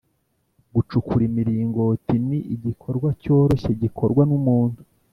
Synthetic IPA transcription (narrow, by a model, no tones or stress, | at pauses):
ɡut͡ʃukuɾimiɾiːŋɡo̞tiniʔiɟikʰo̞ɾɡwaco̞ːɾo̞çe̞ɟikʰo̞ɾɡwanumuːnhu